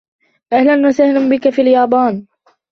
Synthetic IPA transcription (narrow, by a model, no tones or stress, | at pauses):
ʔahlanwasahlambɪkafiːljɑːbɑːn